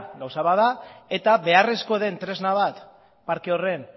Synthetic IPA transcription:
ɡawsaβaðae̞t̪aβe̞are̞sko̞ðe̞nt̪ɾe̞znaβ̞at̪ | paɾkeo̞re̞n

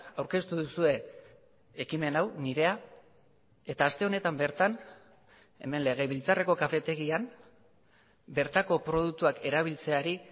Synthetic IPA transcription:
awɾke̞st̪uðusue̞ː | kime̞nawniɾe̞a | e̞t̪aːst̪e̞o̞ne̞t̪ambe̞ɾt̪an | e̞̰me̞nle̞ɣ̞e̞βilt͡sare̞ko̞kafe̞t̪e̞ɣian | be̞ɾt̪ako̞pɾo̞ð̞uk̚t̪uake̞ɾaβ̞ilt͡se̞aɾi

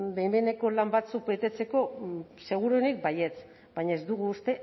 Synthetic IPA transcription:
be̞jme̞ne̞ko̞lambat͡suk̚be̞t̪e̞t͡se̞ko̞se̞ɣ̞uɾonik̚baje̞t͡s | b̥ajɲaezd̪uɣ̞uːst̪e̞

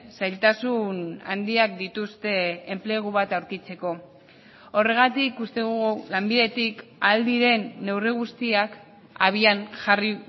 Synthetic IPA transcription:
sajlt̪asuna̰nd̪iak̚d̪it̪ust̪e̞emple̞ɣ̞uβat̪awɾkit͡se̞ko̞ | ore̞ɣ̞at̪ikust̪e̞ðuɣulambiðe̞t̪ikald̪iɾe̞nːe̞wriɣ̞ust̪iak | aβianʝari

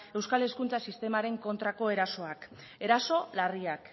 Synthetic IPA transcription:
e̞wskale̞skunt͡sasist̪e̞maɾe̞ŋko̞nt̪ɾako̞e̞ɾaso̞ak | e̞ɾaso̞lariak

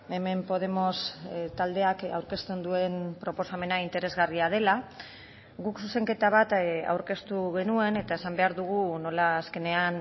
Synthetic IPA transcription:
e̞me̞mpo̞ð̞e̞mo̞st̪ald̪e̞aka̰wɾke̞st̪e̞nd̪ue̞npɾo̞po̞same̞naint̪e̞ɾe̞zɣariað̞e̞la | ɣuksuse̞ŋke̞t̪aβ̞at̪a̰wɾke̞st̪uɣ̞e̞nue̞ne̞t̪ae̞sambe̞aɾðuɣ̞uno̞laːske̞ne̞an

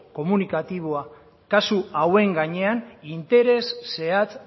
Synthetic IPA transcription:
ko̞munikat̪iβ̞oa | kasuawe̞ŋɡaɲe̞anint̪e̞ɾe̞sːe̞at͡s

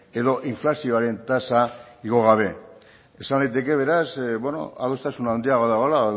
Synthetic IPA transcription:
e̞ðo̞ʔiɱflasio̞aɾe̞nt̪asaiɣo̞ɣ̞aβ̞e̞ | esanlajt̪e̞ke̞β̞e̞ɾasbweno̞̰a̰ðo̞st̪asunawnd̪iaɣoðaɣola

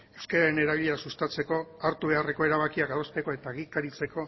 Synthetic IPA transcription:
e̞wskaɾaɾe̞ne̞ɾaβiʎe̞asust̪at͡se̞ko̞aɾt̪uβe̞are̞ko̞e̞ɾaβ̞akiakaðo̞st̪e̞ko̞e̞t̪aːɣikaɾit͡se̞ko̞

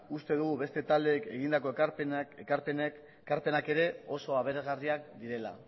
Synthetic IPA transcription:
ust̪e̞ðuɣ̞uβe̞st̪e̞t̪ald̪e̞ːke̞ɣ̞ind̪ako̞pekaɾpen | kaɾpe̞nake̞ɾe̞o̞so̞aβe̞ɾezɣariak̚d̪iɾe̞la̰

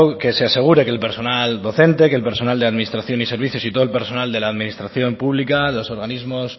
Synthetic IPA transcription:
ke̞sease̞ɣ̞uɾe̞kelpe̞ɾso̞nald̪o̞θe̞nt̪ekelpe̞ɾso̞nald̪eaðminist̪ɾaθjo̞nise̞ɾβ̞iθjo̞sit̪o̞lpe̞ɾso̞nald̪e̞laːðminist̪ɾaθjo̞mpuβlikalo̞so̞ɾɣanizmo̞s

